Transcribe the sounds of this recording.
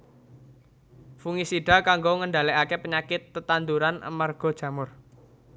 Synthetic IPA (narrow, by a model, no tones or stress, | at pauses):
fuŋisiɖ̥a̤kaŋɡoŋəɳɖaleʔakepəɲakɪt̪ːət̪and̪uɾana̰marɡ̥ɔ̤d̥ʒ̥ä̤mʊr